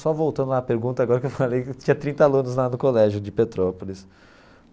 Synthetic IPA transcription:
sɔvowt̪ɐ̃nd̪ʊlaːpeɾɡũnt̪ɐaɡɔɾɐkewfalejɪt͡ʃĩɲɐt̪ɾĩnt̪ɐalũnʊzlanʊkolɛʒʊd͡ʒɪpet̪ɾɔpolɪs

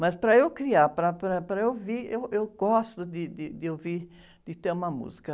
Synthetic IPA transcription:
mɐspɾɐewkɾiaɾpɾɐpɾɐpɾɐewviɾewewɡɔst̪ʊd̪ɪd̪ɪd̪ɪewviɾ | d̪̥ɪt̪eɾũmɐmṵzi̥kɐ

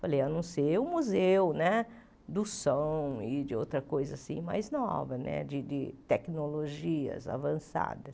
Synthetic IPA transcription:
falejanũsejʊ̃muzewʊnɛ | d̪ʊsɐõw̃ɪd͡ʒɪowt̪ɾɐkojzɐsḭ̃ma̰jznɔ̰vɐnɛ̰d͡ʒɪd͡ʒɪt̪ɛknoloʒiɐ̰za̰vɐ̃sa̰d̪ɐs

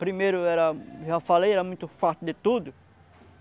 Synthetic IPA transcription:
pɾimejɾʊɛɾɐʒafalejɛɾɐmũj̃t̪ʊfaɾt̪ʊd̪ɪt̪ud̪ʊ

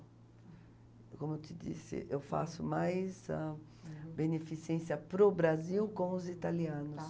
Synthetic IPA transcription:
kõmot͡ʃ̪ɪd͡ʒḭsɪ̰ʔewfa̰sʊmajsa | benefisẽsiɐpɾʊbɾaziwkõw̃ʊzit̪aliɐ̃nʊs

